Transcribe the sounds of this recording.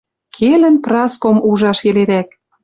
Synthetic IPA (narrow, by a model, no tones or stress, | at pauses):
kʰelə̆nprɑskomuʒɑʃeleɾæk̚